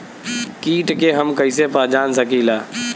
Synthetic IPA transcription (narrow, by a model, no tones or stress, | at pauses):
kiːʈkeɦəmkəisepaːd͡ʒaːnsəkilaː